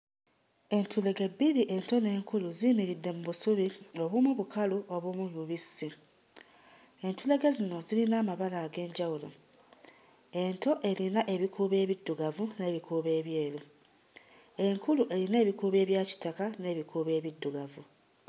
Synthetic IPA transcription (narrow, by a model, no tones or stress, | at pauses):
e̞ntʰule̞ɡe̞biliʔe̞nto̞ne̞ːŋkuluzimiɾidːe̞muβusuβio̞βumuβukʰaluʔo̞βwumuβuβisi | e̞ntule̞ɡe̞zino̞zilinaːmaβalaːɡe̞ːɲɟawulo̞̰ | e̞nto̞ʔe̞linaʔe̞βikʰuːβe̞ːβidːuɡavune̞ːβikuːβe̞ːβje̞ːlu | e̞ŋkuluʔe̞line̞ːβikuːβe̞ːβjaːci̥takane̞ːβikuβe̞ːβidːuɡavu